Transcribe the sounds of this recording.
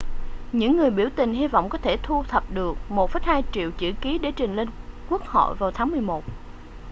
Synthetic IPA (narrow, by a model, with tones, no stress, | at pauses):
ɲɨ̰˧˥ŋːɨ˨˩əjɓi˧˩əwt̪ï˨˩ŋ̟ɦi˧vɔ̰˧˨wŋ͡mkɔ˨˦t̪ʰe˧˩t̪ʰu˧t̪ʰə˨˩p̚ɗɨ˨˩ək̚mo˨˩t̚fə˨˦jhaː˧jt͡ɕḭ˧˨əwt͡ɕɨ̰˧˩ki˨˦ɗe˧˩t͡ɕï˨˩ŋ̟le˧nkwu˦˥ək̚hɔ̰˧˨jvaː˨˩wt̪ʰaː˨˦ŋmɨ˨˩əjmo˨˩t̚